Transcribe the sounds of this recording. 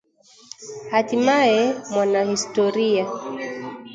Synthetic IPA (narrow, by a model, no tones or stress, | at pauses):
hatimaɛmwanahistɔɾia